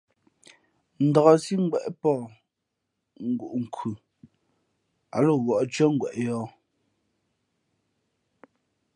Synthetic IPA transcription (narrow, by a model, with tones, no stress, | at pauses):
n̩˨dɔ˨ɣɔ˨si˦ŋ̩˦ɡ͡bwɛ̰˨ʔpɔː˦˨ | ŋ̩˨˦ɡṵ˨ʔŋ̩˨kʰʉ˨ | a˨lo˦˨wɔ˨ʔt͡ʃɥɛ˦ŋ̩˦ɡwɛ˨ʔjɔː˦